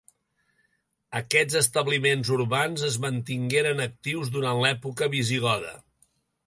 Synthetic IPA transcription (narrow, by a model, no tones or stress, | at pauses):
əkɛd͡zəst̪əβlimenzuɾβanzəzmənt̪iŋɡeɾənək̚t̪iwzðuɾanlɛpukəβiziɣɔðə̰